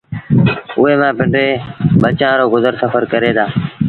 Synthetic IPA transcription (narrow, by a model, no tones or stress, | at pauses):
ʊɦeːmãːpɪ̃ɳɖeːɓət͡ʃãːɾoːɡʊzəɾsəfəɾkəɾeːd̪aː